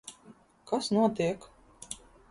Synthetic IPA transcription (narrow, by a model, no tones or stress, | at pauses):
kasnuɔt̪iɛk